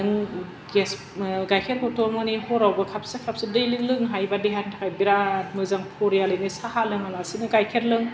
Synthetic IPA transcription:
ɯŋ | ɡes | ɡajkʰeɾkʰɔtʰɔmmanihɔɾawbakʰap̚sekʰap̚sɯdɯjlɯlɯŋɦajbadiɦantʰakʰajbiɾatmɯzaŋpʰɔɾijalɯnisahalɯŋalasinɯɡajkʰeɾlɯŋ

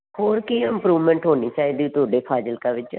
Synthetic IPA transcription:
hoːɾkiɪmpɾuːʋmɛ̃ːɳʈɦoːniːt͡ʃaːiːd̪iuːt̪oːɖeːpʰaːd͡ʒəlkãːʋɪt͡ʃ

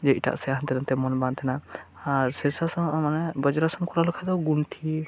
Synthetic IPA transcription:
d͡ʒɛiʈa̰ʔsɛaɦant̪ɛɾɔnt̪ɛmɔnbãnt̪ʰɛna | aɾsɛsasɔ̃ʔmanɛbɔd͡ʒɔɾasɔmkɔɾalɔkʰad̪ɔɡunʈʰi

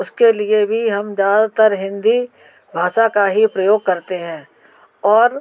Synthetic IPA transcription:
ʊskeliebʱiɦɐmzjaːd̪at̪əɾɦɪ̃nd̪i | bʱaːʃakaɦipɾɐjoːɡ̚kɐɾt̪eɦɛ̃ː | ɔːɾ

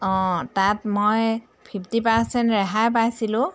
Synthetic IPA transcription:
ɔ̃tatmoj | pʰipʰtipaɹsɛntɹɛɦajp̬ajsilʊ̃

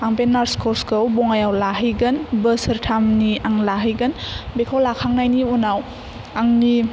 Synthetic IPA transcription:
aŋpenːaɾskʰɔɾskʰɯwbɔŋajawlaɦɯjɡɯnbəsəɾtʰamniaŋlaɦɯjɡɯnbekʰawlakʰaŋnajniunaw | aŋni

